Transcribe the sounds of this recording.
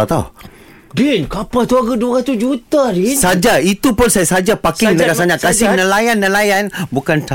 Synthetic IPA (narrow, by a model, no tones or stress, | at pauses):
at̪a | dɛnkapət̪uaɡəduaɣat̪ud͡ʒut̪aɾissad͡ʒait̪upʊnsajasad͡ʒapakɪŋd̪əɡasaɲaʔkasɪnə̃lajanːə̃lajanbukant̪